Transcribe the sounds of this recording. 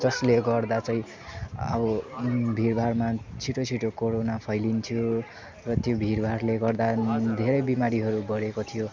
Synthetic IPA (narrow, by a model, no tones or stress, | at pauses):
d͡zʌsleɡʌrd̪at͡saĩ | ʌ̰bʌbʱirbʱarmat͡sʰiʈot͡sʰiʈokoɾonapʰʌjlint̪ʰijo | rʌt̪jobʱirbʱaɾleɡʌrd̪ad̪ʱeɾʌjbimaɾiɦʌɾubʌɾekot̪ʰijo